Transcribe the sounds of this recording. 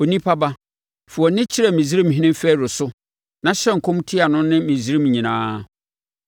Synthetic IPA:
o˨nĩ˦pʰa˦ba˦ | fu˨ɔ˨nɪ̃˦t͡ɕʰi˦ɾɛ˨mĩ˨zi˦ɾĩ˦m˨ɦɪ̃˦nɪ̃˦fɛ˦˨ɾʊ˨sʊ˦ | nã˨ɕɛ˦ŋ̩˨kʰõ˦m˦tʰi˦a˨nʊ̃˦nɪ̃˦mĩ˨zi˦ɾĩ˦mɲĩ˨nãː˦

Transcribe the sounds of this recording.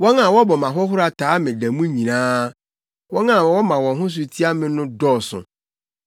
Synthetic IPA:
wɔ̃˦nã˨wɔ˦bɔ˨mã˨ɦɔ˦ɦʊ˦ɾa˨tʰaː˨˦mɪ̃˨dæ˨mũ˦ɲĩ˨nãː˦ | wɔ̃˦nã˦˨wɔ˦mã˨wɔ̃˨ɦʊ̃˦s̬ʊ˨tʰi˦a˦mɪ̃˦nʊ̃˦dɔː˦˨sʊ̰̃˨

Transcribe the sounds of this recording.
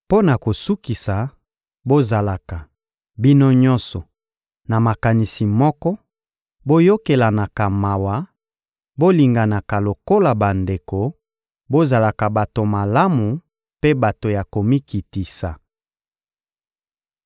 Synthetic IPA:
po˦na˨ko˨su˦ki˨sa˨ | bo˦za˨la˨ka˨ | bi˦no˦ɲɔ̃˦nsɔ˨ | na˨ma˨ka˨ni˨si˨mɔ˦kɔ˦ | bo˦jo˦ke˨la˨na˨ka˨ma˨wa˨ | bo˦li˨ŋɡa˨na˨ka˨lo˨ko˦la˨ba˨nde˨ko˨ | bo˦za˨la˨ka˨ba˨to˨ma˨la˦mu˨ | pe˦ba˨to˨ja˨ko˨mi˦ki˨ti˨sa˨

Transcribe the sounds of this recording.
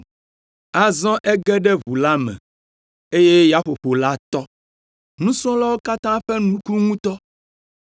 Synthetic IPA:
a˦zɔ̃˦ʔɛ˦ɡɛ˦ɖɛ˦vu˨la˦mɛ̰̃˨ | e˦je˦ja˦ɸo˨ɸo˨la˦t̪ɔ˦ | nũ˦sɔ̃˦la˦wo˦ka˦t̪ã˦ɸɛ˦nũ˦ku˦ŋũ˦t̪ɔ˦

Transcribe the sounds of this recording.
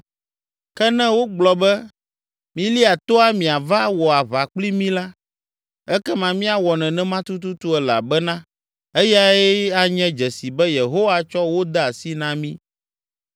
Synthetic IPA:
kɛ˦nɛ̃˦wo˦ɡ͡blɔ˨bɛ˦ | mĩ˦li˦a˨t̪o˦a˦mĩ˨a˨va˦wɔ˨a˨βa˨k͡pli˦mĩ˦la˦ | ɛ˦kɛ˦mã˨mĩ˦a˨wɔ˨nɛ̃˨nɛ̃˦mã˦t̪u˦t̪u˦t̪u˦ɛ˨la̰˨bɛ˦nã˦ | e˦ja˦ɛ˦a˦ɲɛ̃˦d͡ʒɛ˨si˨bɛ˦je˨ɦo˦wa˦t͡ʃɔ˦wo˦d̪ɛ˦a˨si˦nã˦mĩ˦

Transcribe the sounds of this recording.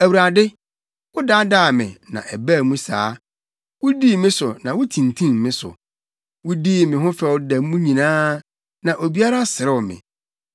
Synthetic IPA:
æ˨wu˨ɾa˨dɪ˦ | wʊ˦da˦daː˦˨mɪ̰̃˨nã̰˨ʔɛ˨bæ˦˨mũ˦sa̰ː˦ | wʊ˦diː˦˨mɪ̃˦sʊ˨nã˨wʊ˦tʰĩ˨n˨tʰĩ˦mmːɪ̃˦sʊ̰˨ | wʊ˦diː˦˨mɪ̃˨ɦʊ̃˦fɛ˨wʊ˦dæ˨mũ˦ɲĩ˨nãː˦ | nã˨ʔo˨bi˦a˦ɾa˦sɪ˨ɾɪ˦˨mɪ̰̃˨

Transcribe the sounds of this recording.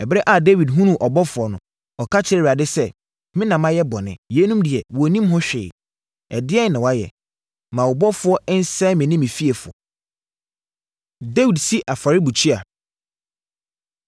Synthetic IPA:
ɛ˨bɾɛ˦ʔa˨de˦wi˨dɦũ˦nũ˨ʔɔ˨bɔ˦fʊ˨ɔ˦nʊ̃˨ | ɔ˨kʰa˦t͡ɕʰɪ˦ɛ˦˨a˨dɪ˦sɛ˦ | mɪ̃˦nã˨mã˦jɛ˦bɔ˨nɪ̰̃˦je˨˦nũ˦mdɪ˨ɛ˨wɔ˨nĩ˦mɦʊ̃˦ɕᶣɪ̰ː˨ | ɛ̰˨dɪ˦ɛ˦˨nã˨wa˦jɛ̰˨ | mã˨wɔ˨bɔ˦fʊ˨˦ɔ˦ɪ˦n̩˦sɛ̃˦mɪ̃˨nɪ̃˦mĩ˨fi˦e˨fʊ˨ɔ̰˨ | de˦wi˨dsi˦ʔa˨fa˨ɾi˦bu˨t͡ɕʰi˦a˨

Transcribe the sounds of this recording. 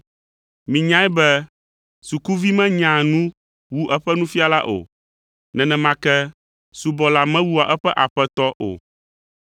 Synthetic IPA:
mĩ˨ɲã˦ɛ˦bɛ˦ | su˨ku˦vi˦mɛ̃˦ɲã˨nũ˦ | wu˦ʔɛ˦ɸɛ˦nũ˦fi˦a˦la˦ʔo̰˨ | nɛ̃˨nɛ̃˨mã˦kɛ˦ | su˨bɔ˨la˨mɛ̃˦wu˦a˨ʔɛ˦ɸɛ˦ʔa˨ɸɛ˦t̪ɔ˦ʔo̰˨

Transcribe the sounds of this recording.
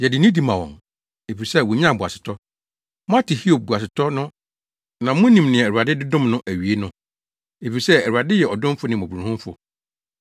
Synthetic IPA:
jɛ˨dɪ˨nĩ˦di˨mã˨wɔ̰̃˨n | e˨fi˨sɛ˦wɔ˨ɲ˦ã˦˨bʊ˨a̰˨sɪ̥˨tʰɔ˦ | mʊ̃˦a˦tʰɪ˨hi˦o˨b̚bu˨a˨sɪ˨tʰɔ˦nʊ̃˦ | nã˨mʊ̃˦nĩ˨mnɪ̃˨ɛ˨ɛ˨a˨dɪ˦dɪ˦dʊ̃˦mnʊ̃˦ʔæ˨ɥi˨e˦nʊ̃˦ | e˨fi˨i˨sɛ˦˨u˨ɾa˨dɪ˦jɛ˨ɔ˨dʊ̃˦fʊ˦nɪ̃˨ɔ̃˨bu˨ɾũ˨hʊ̃˦m˦fʊ̰˨

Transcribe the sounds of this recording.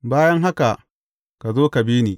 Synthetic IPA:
baː˦jɐ˦ŋɦa˦ka˨ʔ | ka˨zoː˦ka˨biː˦niː˨

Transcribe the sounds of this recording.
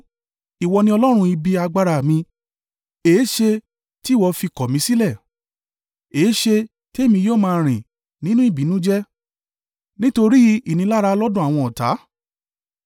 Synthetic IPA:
i˨wɔ˧nĩ˧˦ɔ˧lɔ˦ɾ̃ũ˧i˧bi˧a˧ɡ͡ba˧ɾa˧˨mĩ˧ | eː˨˦ʃe˧ | ti˦˨wɔ˧fi˧kɔ˨mĩ˧˦si˦lɛ˦˨ | eː˨˦ʃe˧ | ti˦e˦˨mĩ˧joː˦˨mãː˧ɾ̃ĩ˨ | nĩ˦nũ˦i˦˨bi˨˦nũ˦d͡ʒɛ˦ | nĩ˦to˧ɾi˦i˨nĩ˧˦la˦ɾa˧lɔ˦dũ˦a˨w̃ɔ̃˧ɔ˨ta̰˨˦

